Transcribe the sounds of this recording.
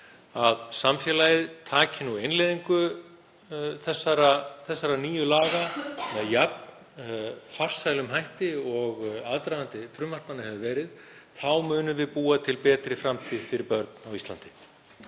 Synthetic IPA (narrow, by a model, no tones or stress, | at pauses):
aðsamfjɛːlajɪðt̪ʰaːcɪnuejnlɛjðiŋkʏ | θɛsːaɾaθɛsːaɾaniːjʏlaːɣamɛðjap̚n | far̥sajlʏmɦajht̪ɪɔɣaðt̪ɾajðant̪ɪfɾʏmːar̥pnanːahɛvʏvɛːɾɪðθawmʏːnʏmvɪðpuːat̪ʰɪlpɛːt̪ɾɪfɾamt̪ʰiːðfɪɾɪɾpœɾt̪nawist̪lant̪ɪ